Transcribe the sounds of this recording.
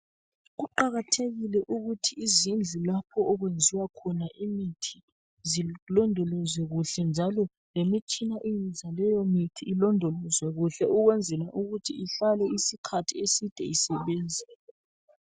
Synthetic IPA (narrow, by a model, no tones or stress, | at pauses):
ɣuǃaɣatʰeɣilɛʔuɣutʰiːzind͡ɮʱilapʰɔːɣwend͡zʱiwakʰɔnaʔimitʰi̥ | zilɔndʱɔlɔzwɛɣuɬɛnd͡ʒʱalɔ | lemit͡ʃʰʼinaʔiizʱalɛjɔmitʰiːlɔndʱɔlɔzwɛɣuɬɛuɣwɛnd͡zʱɛlaʔuɣutʰiiɬalwɛisikʰatʰiesid̥ʱɛ̰isɛβeːnd͡zʱi